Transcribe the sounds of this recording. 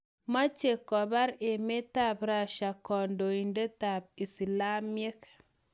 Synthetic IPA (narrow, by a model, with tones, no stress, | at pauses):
ma˦t͡ʃe˨kɔ˨ba˦ɾe˨me˦ta˦bɾa˨ʃa˨kɔ˨ndo˨i˨nde˦ta˨p̚i˨si˨la˦me˦k